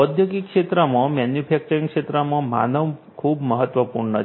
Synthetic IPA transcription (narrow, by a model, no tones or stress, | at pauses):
əd̪ʱjokikʃet̪ɾəmãmanjupʰɛk̚t͡ʃəɾĩŋkʂet̪ɾəmãma̰nəʋ | kʰubməɦət̪ʋəpuɾnə